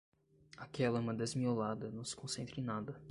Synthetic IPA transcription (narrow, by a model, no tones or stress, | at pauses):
akɛlɐmɐ̃d̪ezmiolad̪ɐnɐ̃w̃sɪ̥kõsẽnt̪ɾẽnad̪ɐ